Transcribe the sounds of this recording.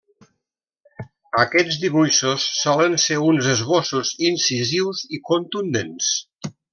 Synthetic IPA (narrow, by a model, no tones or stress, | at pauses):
əkɛd͡zd̪iβujʃusːɔlənseunzəzβosuzinsiziwzikunt̪und̪ens